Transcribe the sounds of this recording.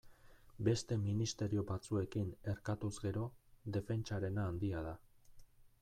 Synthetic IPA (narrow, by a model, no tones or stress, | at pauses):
be̞st̪e̞minist̪e̞ɾio̞βat͡sue̞kine̞ɾkat̪uzɣe̞ɾo̞ðe̞fe̞nt͡ʃaɾe̞naːnd̪iað̞a